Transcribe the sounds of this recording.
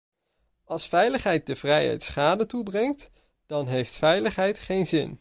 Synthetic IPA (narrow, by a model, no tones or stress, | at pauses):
ɑlˠsfɛjləχɦɛjt̚dəv̥rɛjɦɛ̰jtsχaːdətubrɛŋt | d̥ɑnɦejftfɛjləχɦɛjtχejnzɪ̰n